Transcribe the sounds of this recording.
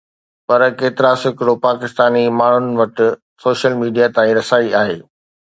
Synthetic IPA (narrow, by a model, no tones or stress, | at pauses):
pɐɾkeːt̪ɪɾasɪkɪɽopaːkɪst̪aːnimaːɳ̤ʊnɪ̆ʋɐʈɪ̆ | soːʃəlmiːɖijat̪ãːĩɾɐsaːiaːɦeː